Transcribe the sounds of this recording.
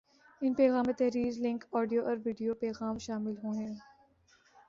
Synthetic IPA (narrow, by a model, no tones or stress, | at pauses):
ɪnpɛːɣaːmːet̪ɛɦɾiːzlɪ̃ŋkɔːɖijoʔɔɾʋiːɖijopɛːɣaːmʃaːmɪlɦõːɦɛ̃ː